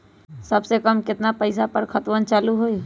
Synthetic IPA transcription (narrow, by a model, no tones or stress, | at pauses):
sɐbsekəmkɪt̪napəɪsapəɾkʰət̪wənt͡ʃaːluɦoe